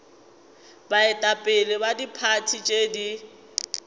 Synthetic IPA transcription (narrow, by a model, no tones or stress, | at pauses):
baɪtʼapʼɪlɪbadipʰatʰit͡ʃʼedi